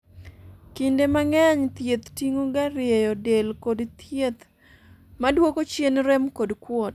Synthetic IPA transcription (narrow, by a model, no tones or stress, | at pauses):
kindemaŋɛɲt̪jet̪tiŋoɡaɾɪejɔdelkodt̪jet̪ | madwokot͡ʃjenɾɛmkodkwɔt